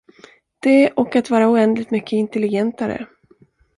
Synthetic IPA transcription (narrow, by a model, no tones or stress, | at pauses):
d̪̥ɛʔɔkːat̪vɑːɾaʊɛnd̪lɪɡ̚t̪mʏkʰːəɪnt̪ɛlɪɡɛnt̪aɾə̰